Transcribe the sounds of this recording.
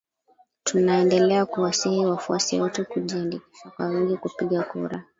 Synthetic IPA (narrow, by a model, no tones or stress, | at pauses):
tunaɛndɛlɛakuwasihiwafuasiwɔtɛkuʄiandiki̥ʃakwa̰wiŋɡikupiɠakṵɾa